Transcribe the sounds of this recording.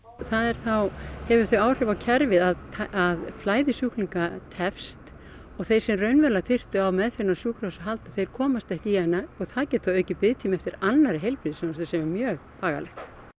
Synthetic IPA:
θaðɛɾ̥θawhɛvʏɾ̥θœɥaːwr̥ɛvawcʰɛɾvɪðaðt̪ʰaʔaðflaːjðɪsjuhkliŋkat̪ʰɛfst̪ | ɔɣθej̥sɛmrœɥnvɛɾlat̪ʰɪr̥t̪ʏawmɛðfɪɾɪnasjuːkɾɔsaɦalt̪aðθejɾ̥kʰɔːmast̪ɛhcɪjɛnːaɔɣθaðcɛt̪θawœːɥcɪpɪðt̪ʰiːmɛft̪ɪɾanːaɾɪɦejlpɾiðsɛmast̪ʏsɛmɛɾmjœːɣpaːɣa̰lɛ̰xt̪

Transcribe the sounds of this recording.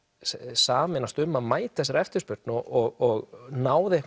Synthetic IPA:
saːmɪnast̪ʏmːaðmaːjt̪θɛsːaɾɛft̪ɪ̥ɾspʏɾt̪nɔɔɣɔɣnaːwðɛhk

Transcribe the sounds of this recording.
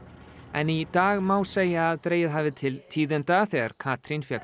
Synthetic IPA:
ɛ̰nit̪aːɣmaːwseːjaːðt̪ɾeːjɪðɦaːvɪt̪ʰɪlt̪ʰiːðɪnt̪aθɛaɾ̥kʰaːt̪ɾinfjak̪

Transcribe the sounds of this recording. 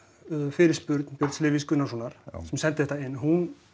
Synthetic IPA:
fɪɾɪɾ̥spʏɾt̪n̥pjœɾt̪slɪːviskʏnːasunaɾ̥sɛmsɛnt̪ɪ̥θɛht̪aɪnːɦun

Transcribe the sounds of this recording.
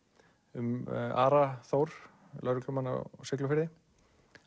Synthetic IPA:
ʏma̰ːɾaθoːwɾ̥ | lœɾklʏmanːa̰sɪk̬lʏfɪɾðɪ

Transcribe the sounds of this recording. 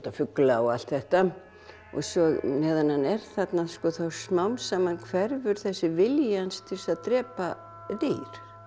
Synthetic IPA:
t̪afʏklaɔɣal̥t̪θɛht̪a | ɔ̰ɣsɔɣnɛːðananɛɾ̥θat̪naskɔːθawsmawmsaːmankʰvɛɾvʏɾ̥θɛsːɪvɪljanst̪ʰɪlsaðt̪ɾɛːpa | ðiːɾ̥

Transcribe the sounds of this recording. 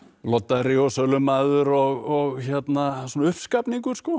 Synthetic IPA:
lɔt̪ːaðɾiɔsœlʏmaðʏɾɔɣɔɣçɛt̪nasɔnaʏhpskapniŋkʏɾ̥skɔ

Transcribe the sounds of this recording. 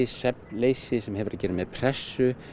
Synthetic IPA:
ɪsɛpleːjsɪsɛmɦɛvʏɾacɛːɾɪmɛðpʰr̥ɛsːʏ

